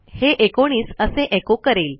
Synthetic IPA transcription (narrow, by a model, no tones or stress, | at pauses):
heʔekoɽ̃iːsəsẽʔekokəɾel